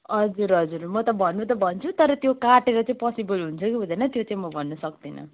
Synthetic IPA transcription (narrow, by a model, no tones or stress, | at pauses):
ʌd͡zuɾʌd͡zuɾmʌt̪ʌbʱʌnːut̪ʌbʱʌnt͡sʰut̪ʌɾʌt̪jokaʈeɾʌt͡saĩpʌsibʌlɦunt͡sʰʌkibʱʌd̪anʌt̪jot͡sãĩmʌbʱʌnːʌsʌk̚d̪inʌ̰